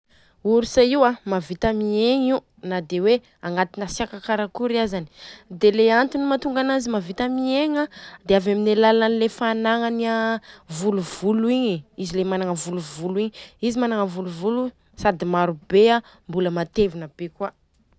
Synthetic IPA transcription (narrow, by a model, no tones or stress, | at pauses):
uɾisaiwamavit̪amieɲiu | nad̪ewe | aŋat̪inasiakakaɾakuɾiazani̥d̪eleant̪inimat̪uŋɡanazimavit̪amieŋad̪eavaminelalaanilefanaŋaniavuluvuluiɲiizilemanaŋəvuluvuluiɲizimanaŋəvuluvulu | sad̪imaɾubea | mbuləmat̪evinəb̥ekwa